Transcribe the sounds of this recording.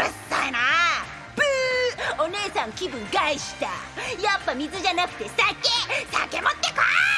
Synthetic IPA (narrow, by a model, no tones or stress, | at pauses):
ast̪aena | pɯo̞ne̞ːsãŋkʲibɯ̟̃ŋɡaiɕi̥t̪a̰japːamʲizɨʑanakɯ̟̥t̪e̞sakːesakemot̪ːekoa